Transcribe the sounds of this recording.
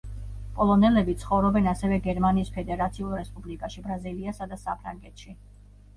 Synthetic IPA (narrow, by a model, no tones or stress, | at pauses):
pʼɔlˠɔnɛlɛbit̪sʰχɔvɾɔbɛnasɛvɛɡɛɾmaniːspʰɛd̪ɛɾat̪sʰiulˠɾɛspʼublikʼaʃibɾaziliasad̪asapʰɾaŋɡɛt̪ʃi